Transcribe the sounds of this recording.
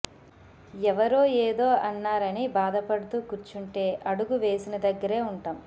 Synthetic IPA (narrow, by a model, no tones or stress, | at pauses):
ɛʋɐɾoːeːd̪o̞ːʔɐnːaːɾɐnibaːd̪ɐpɐɽut̪uːkuɾt͡ʃuɳʈe̞ːʔɐɽuɡuʋe̞ːsinɐd̪ɐɡːɐɾe̞ːuɳʈɐːm